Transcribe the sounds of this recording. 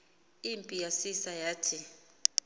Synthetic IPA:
impʼijasisajaːtʰi

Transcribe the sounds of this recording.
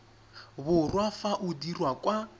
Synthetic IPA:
βʊrwafaʔʊdirwakʼwa

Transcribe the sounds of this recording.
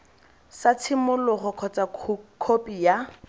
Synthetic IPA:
sat͡sʰɪmʊlʊχɔkʰɔt͡sʼakʰopʼija

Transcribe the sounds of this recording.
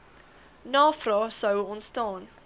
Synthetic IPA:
nɑːfrɑːsəwɔntstɑːn

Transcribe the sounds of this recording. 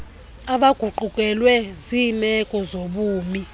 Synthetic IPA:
aɓaɡ̥ʱuǃukʼɛlwɛzimɛkʼɔzoɓuːmi

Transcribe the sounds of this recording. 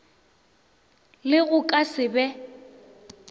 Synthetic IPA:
lɪɣʊkʼasɪbɛ

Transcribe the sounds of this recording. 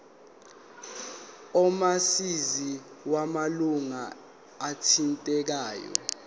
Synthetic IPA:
ɔmasiziwamaluŋa | atʰintʼɛk̬aːjɔ̰

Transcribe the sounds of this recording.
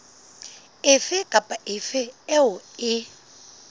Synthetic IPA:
ɪfɪkʼapʼaʔɪfɪɛʊɪ

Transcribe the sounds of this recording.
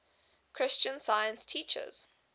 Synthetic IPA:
kʰɹ̥ɪst͡ʃə̃nsaɪə̃nstʰiːˑt͡ʃə̰z̥

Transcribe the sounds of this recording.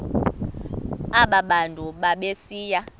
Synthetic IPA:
aɓaɓandʱʼuɓaɓesiːja

